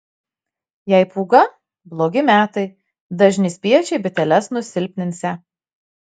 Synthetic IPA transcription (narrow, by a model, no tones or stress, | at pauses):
jɛɪpuːɡɐ | blˠoːɡʲɪmʲæːt̪ɐɪ | d̪ɐʒʲnʲɪsʲpʲiɛt͡ʃʲɛɪbʲɪt̪ʲɛlʲɛsnʊsʲɪlʲpʲnʲɪnʲsʲɛ